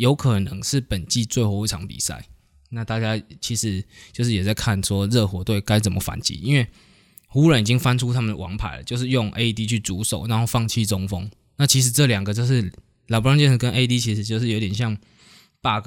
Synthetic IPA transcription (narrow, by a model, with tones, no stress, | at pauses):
jo˧˥ʊkʰɤ˨˩nɤ˧˦ŋʂɻ̩˥˩pə˨˩nt͡ɕi˥˧t͡swe˥˧ɪxo˧˦e˥˩ɑ˧˥ŋpḭ˨˩sa̰˥˩ɪ | na˥˧t̪a˥˩t͡ɕja˦t͡ɕʰi˧˥ʂɻ̩˧˦t͡ɕjo˥˧ʊʂ̬ɻ̩˥˩jɛ˨˩t͡sa˥˧ɪkʰa˥˨nswɔ˦ɻɤ˥˨˩xwɔ˧˥t̪we˥˩ɪka˥ɪt͡sə˨˩nmə˩fa̰˨˦nt͡ɕḭ˨˦i˦nwe˥˩ɪ | xu˥ɻə˨˦ni˨˩t͡ɕi˦ŋfa˥nʈ͡ʂʰu˥t̪ʰa˥mə˨nd̪ə˨wɑ̰˧˦ŋpʰa̰˨˩ɪlə̰˨˦t͡ɕjo˥˧ʊʂ̬̩˥˧jo˥˨ŋʔe˦ɪt̪i˥t͡ɕʰy˥˩t͡su˨˦so̰˨˩ʊna˧˦nxo˥˧ʊfɑ˥˧ŋt͡ɕʰi˥˩t͡so˥ŋfɤ˦ŋ | na˥˩t͡ɕʰi˧˥ʂ̬ɻ̩˧˥t͡sɤ˥˨ljɑ˨˩ŋɡə˩˦t͡ɕjo˥˧ʊʂ̬ɻ̩˥˩ | lɑ˨ʊpɑ˥ŋt͡ɕɛ˥˧nə˧˩kə˦nʔe˥ɪt̪i˥t͡ɕʰi˧˥ʂɻ̩˧˥t͡ɕjo˥˧ʊʂɻ̩˥˨o˨˥˦t̪jɛ˨nɕjɑ˥˧ŋ | pa˥˩